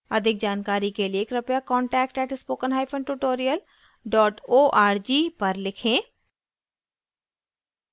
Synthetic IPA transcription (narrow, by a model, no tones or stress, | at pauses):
əd̪ɪk̚d͡ʒaːnkaːɾiːkelɪieːkɾəpjaːkɔːɳʈɛːkʈɛːʈʰspoːkənɦaːjpʰəɳʈuʈoːɾijəl | ɖɔːʈoːʔaːɾd͡ʒiːpəɾlɪkʰẽː